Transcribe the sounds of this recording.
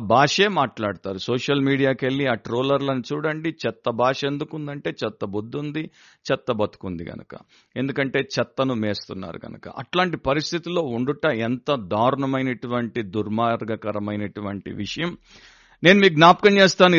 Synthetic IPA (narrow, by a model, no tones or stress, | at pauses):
bʱaːʂe̞ːmaːʈlaːɽut̪aːɾusoːʂɐlmiːɽijaːke̞ɭːiaːʈɾoːlɐɾlɐnit͡ʃuːɽɐɳɖit͡ʃɛt̪ːɐbʱaːʂe̞nd̪ukund̪ɐɳʈe̞ːt͡ʃɛt̪ːɐbud̪ːund̪i | t͡ʃɛt̪ːɐbɐt̪u̥kund̪iɡɐ̰nɐkɐ̰ | e̞nd̪ukɐɳʈe̞ːt͡ʃɛt̪ːɐnumeːst̪unːa̰ːɾṵɡɐ̰nɐkɐ̰ʔɐ̰ʈlaːɳʈipɐɾist̪ʰit̪ilo̞ːuɳɖuʈːɐɛnt̪ɐd̪ʱaːɾuɳɐmɐjnɐʈuʋɐɳʈid̪uɾmaːɾɡɐkɐɾɐmɐjnɐʈuʋɐɳʈḭʋiʂɐjɐm | ne̞ːnumiːɡuɡnaːp̚kɐnt͡ʃeːst̪aːnu